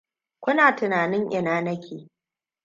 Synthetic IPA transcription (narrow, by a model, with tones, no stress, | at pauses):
kʷʊ˦naː˨tɪ˨naː˨nɪ˦ŋʔɪ˨naː˦nɐ˦kʲʰeː˨